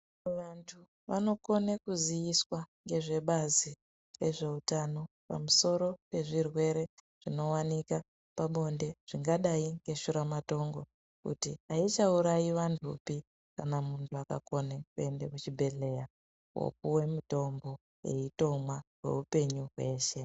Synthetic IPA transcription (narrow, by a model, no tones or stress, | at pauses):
ʋantʰu | ʋano̞ko̞nekuzijiswaŋɡe̞ʐe̞ɓazi | re̞ʐe̞utano̞ | pa̰muso̞ɾo̞pe̞ʐirwe̞ɾe̞ | ʐ̥ino̞wanika | paɓo̞nde̞ʐ̥iŋɡaɗaiŋɡe̞ʃuɾamato̞ŋɡo̞ | kṵtiait͡ʃauɾaiʋantʰupi | kanamuntʰuaka̰ko̞nekue̞nde̞kut͡ʃibʱe̞ɮe̞ja | wo̞̰k̚uwe̞muto̞mbo̞ | je̞̰ito̞mwaɦwe̞̰upe̞ɲuɦwe̞ːʃe̞